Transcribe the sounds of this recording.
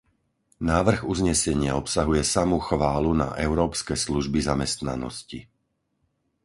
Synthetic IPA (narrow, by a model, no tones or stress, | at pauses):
naːʋr̩ɣuzɲɛsɛɲɪaɔpsaɦujɛsamuxʋaːluna̰ʔɛʊɾɔːpskɛsluʒbizamɛst̪na̰nɔ̰sci